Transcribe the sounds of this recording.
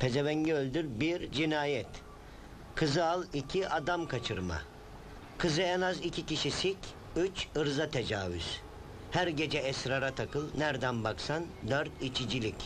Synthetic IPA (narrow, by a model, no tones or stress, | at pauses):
pʰezeβɛɲɟɛølʲd̪yɾbiɾd͡ʒinaːjɛt̪ | kʰɯzɯalˠicʰiʔad̪amkʰat͡ʃʰɯɾma̰ | kʰɯzɯɛnazicʰiciʃisic | yt͡ʃɯɾzat̪ʰe̞d͡ʒaːvy̰z̥ | hæɾɟe̞d͡ʒɛɛsɾaɾat̪ʰakʰɯlˠnæɾd̪ænbaksand̪øɾt̪it͡ʃʰid͡ʒilʲic